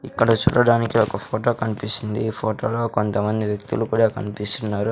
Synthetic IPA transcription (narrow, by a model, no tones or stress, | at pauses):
ikːɐɽɐt͡ʃṵːɽɐɽaːnikiɔkɐpʰoːʈo̞ːkɐnipisind̪ipʰoːʈoːlo̞ːkont̪ɐmɐnd̪iʋjek̚t̪ulukuːɽaːkɐnipist̪unːaːɾu